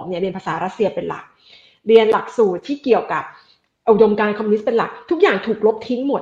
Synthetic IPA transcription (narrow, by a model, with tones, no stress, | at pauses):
ŋ̚ni˦˥˩ɾi˧ənpʰaː˧saː˩˦ɾa˦˥t̪̚si˧ɐpe˧nla̰˨˩k̚ | ɾi˧ənla˨˩k̚suː˨˩t̪ʰːiː˥˩ki˨˩əwka˨˩p̚ | ʔdo˧mkaː˧nkʰɔ˧muː˧n˦˥t̪̚pe˧nla̰˨˩k̚t̪ʰu˦˥k̚jaː˨˩ŋt̪ʰuː˨˩k̚lo˦˥p̚t̪ʰi˦˥ŋmo˨˩t̪̚